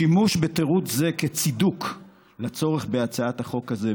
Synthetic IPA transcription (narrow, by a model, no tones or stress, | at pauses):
imuʃbet̪eʁutzeket͡siduk | lat͡so̞ʁeχbeat͡saat̪haχo̞kaze